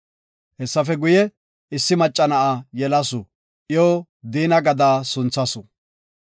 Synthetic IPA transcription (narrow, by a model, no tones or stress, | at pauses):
hɛsːɐfɛɡʊjɛ | ɪsːɪmɐt͡ʃʼːɐnɐʔajɛlɐsʊ | ʔjoː | d̪iːnɐɡɐd̪aːsʊnt͡sːɐsʊ